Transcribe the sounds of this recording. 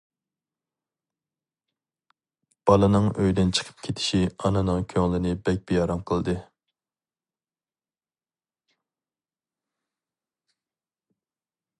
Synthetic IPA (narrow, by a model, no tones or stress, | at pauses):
b̥ɑlˠɨnɨŋøjd̪ɪnt͡ʃʰə̥qʰə̥p̚kʲʰet̪ʰɪ̥ʃiɑnɨnɨŋkʲʰøŋlˠɪnɪbɛk̚ʲbejɑɾɑmqʰəlˠd̪ɨ